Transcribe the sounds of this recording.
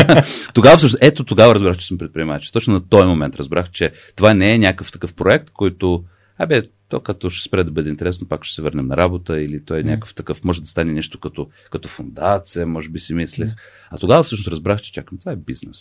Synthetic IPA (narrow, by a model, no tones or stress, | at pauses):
t̪oɡavəfsɤʃnoʔɛt̪ot̪oɡavəɾɐzbɾaxt͡ʃɛ̥səmpɾɛt̪̚pɾʲiɛmat͡ʃt̪ɔt͡ʃnonɐt̪ɔjmomɛnt̪ɾɐzbɾaxt͡ʃɛ | t̪ovanɛːnʲakəft̪ɐkɤfpɾoɛk̚t̪kʰɔjt̪o | abɛ | t̪ɔkak̚t̪oʃɛ̥spɾɛd̪ɐbɤd̪ɛint̪ɛɾɛsnopakʃɛ̥sɛvəɾnɛmnɐɾabot̪əilit̪ɔɛnʲa̰kəft̪ɐkɤfmɔʒɛd̪ɐst̪anɛnɛʃt̪o̥kɐt̪o | kɐt̪ɔfond̪at̪sijəmɔʒɛbisimislɛx | ɐt̪oɡavəfsɤʃnosɾɐzbɾaxt͡ʃɛ̥t͡ʃakəmt̪ovaɛbiznɛs